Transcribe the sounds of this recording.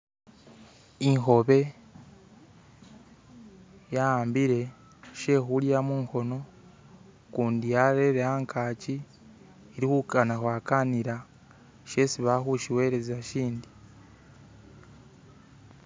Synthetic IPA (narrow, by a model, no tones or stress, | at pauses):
iŋxo̞βe̞ | jaːmbiɾe̞ | ʃe̞xulijamuːŋko̞no̞ | kuːndijaɾeɾehaːŋkʰaːciː | ɾihukanaxwaːkaniɾa | ʃe̞siβaxuʃiwe̞ːɾezaʃiːndi